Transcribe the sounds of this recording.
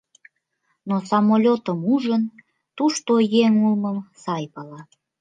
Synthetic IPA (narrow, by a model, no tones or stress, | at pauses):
nosɑmolʲot̪əmuʒən | t̪uʃt̪ojeŋulməmsɑjpɑlɑ